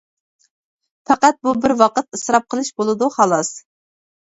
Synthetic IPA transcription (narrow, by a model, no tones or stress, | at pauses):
fæqæt̪̚bubɪɾwɑqət̪ɨsɾɑp̚qʰəlˠɨʃbolˠɨd̪uhɑlˠɑs